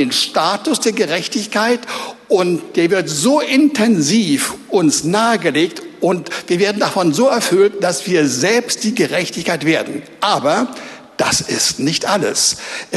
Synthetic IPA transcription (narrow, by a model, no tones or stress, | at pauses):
eːnʃtaːtʊsd̥eːɐɡəʁɛçtɪçkʰaɪtʔʊntd̥eːɐvɪɐtz̥oːʔɪntʰɛnziːfʔʊnsnaːəɡəleːk̚tʔʊntv̥iːɐveːɐdn̩dafɔnzoːɛɐfʏltd̥asv̥iːɐzɛlpst̚d̥iːɡəʁɛçtɪçkaɪtv̥eːɐdn̩ | ʔaːbɐ | d̥asɪstnɪçtʔalə̰s